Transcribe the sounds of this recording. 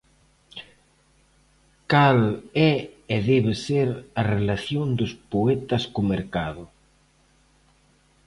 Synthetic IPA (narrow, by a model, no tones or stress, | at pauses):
kalɛeðɛβeseɾarelaθjond̪ʊspoɛt̪ɐskʊmeɾkaðʊ